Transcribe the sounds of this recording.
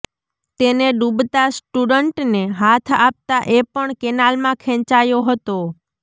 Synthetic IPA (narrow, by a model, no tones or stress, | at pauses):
t̪eneɖubt̪asʈuɖəɳʈneɦat̪ʰap̚t̪aʔepəɳkɛnalmãkʰɛ̃t͡ʃajoɦət̪o